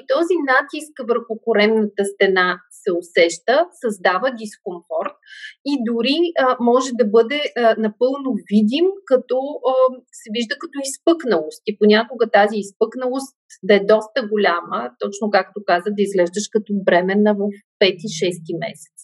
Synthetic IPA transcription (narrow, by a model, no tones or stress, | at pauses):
t̪ɔzinat̪iskvəɾxʊkʊɾɛmnət̪əst̪ɛnasɛosɛʃt̪əsɐzd̪avəd̪iskomfɔɾt̪̚id̪ʊɾiəmɔʒɛd̪ɐbɤd̪ɛənɐpɤlˠnovid̪imkɐt̪ɔ | sɛviʒd̪əkɐt̪ɔispɤknɐlˠost̪iponʲakʊɡət̪aziːspɤknəlˠost̪ | d̪ɐɛd̪ɔst̪əɡolʲamət̪ɔt͡ʃnokakt̪okazəd̪ɐizɡlɛʒd̪əʃkɐt̪ɔbɾɛmɛnɐpɛt̪iʃɛst̪imɛ̰sɛ̥t̪s